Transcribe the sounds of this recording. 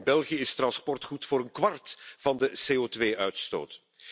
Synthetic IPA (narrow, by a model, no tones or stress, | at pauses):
nbɛlˠχijəɪstrɑnspɔrtχutfʊːɾənkʋɑrtv̥ɑndəseːoːtʋeːœɥtsto̰ːt